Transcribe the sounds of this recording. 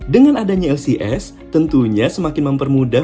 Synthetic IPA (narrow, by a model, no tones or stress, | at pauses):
dəŋanadaɲaɛlsiʔɛs | t̪ənt̪uɲasəmakɪnməmpərmuda